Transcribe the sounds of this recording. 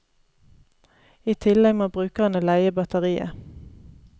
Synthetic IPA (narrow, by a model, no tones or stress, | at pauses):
iːt̪ʰɪlɛɡmoːbʁʉːkɑnəlæɪəbɑt̪əʁiːə̰